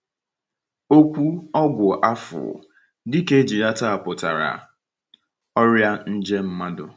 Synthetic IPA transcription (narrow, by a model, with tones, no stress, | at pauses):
o˦kʷu˦ɔ˦ɡʷʊ˨ʔa˦fʊ̰˨ | dɪ˦ke˦d͡ʒi˨ɾa˦ta˦a˨pʊ˨ta̰˨ɾa̰˨ | ɔ˦ɾja˦n̩˦d͡ʒe˦m̩˦ma˦dʊ̰˨